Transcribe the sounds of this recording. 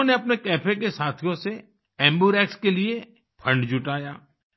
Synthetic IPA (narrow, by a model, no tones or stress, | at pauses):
neɐpnekɛːpʰek̬esaːt̪ʰijõse | ɛ̃ːmbuːɾɛːkskelie | pʰɐ̃ɳɖd͡ʒʊʈaːjaː